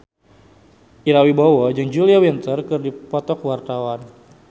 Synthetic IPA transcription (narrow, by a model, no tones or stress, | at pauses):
ʔiɾawibawɔd͡ʒɨŋd͡ʒuliawint̪ərkɨrdipɔt̪ɔkwart̪awan